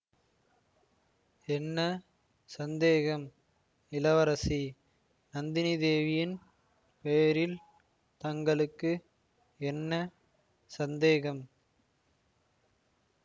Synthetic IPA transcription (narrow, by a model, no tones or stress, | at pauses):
ɛnːɐ | sɐnd̪eːɣɐm | ɪlɐʋɐɾɐsi | nɐnd̪ɪnɪðeːʋɪjɪn | pejɐɾɪl | t̪ɐŋɡɐɭɯkːɯ | ɛnːɐ | sɐnd̪eːɣɐm